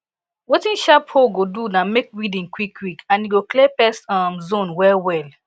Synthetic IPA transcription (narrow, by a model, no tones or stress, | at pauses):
wetĩnʃaphoɡodunãmek̚widĩŋkwikʰwikãnjiɡoklepɛsamzõnwɛlwɛl